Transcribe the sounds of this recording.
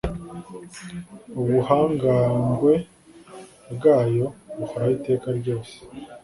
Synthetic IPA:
uβuhaːŋɡaːŋɡwe̞ | bɡaːjo̞βukoɾahite̞ːkaɾɟo̞ːse̥

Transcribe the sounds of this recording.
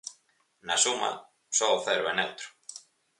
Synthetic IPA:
nasuma̰ | sɔoθɛɾʊɛnɛwt̪ɾʊ̥

